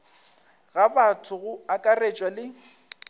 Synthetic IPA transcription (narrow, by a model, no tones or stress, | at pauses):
ɣabatʰʊɣʊakʼaret͡ʃʼwalɪ